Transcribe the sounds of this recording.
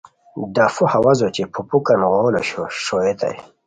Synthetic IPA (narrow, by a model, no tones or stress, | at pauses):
d̪afuhawazot͡ɕepʰupukanɣoːloɕoɕoet̪a̰j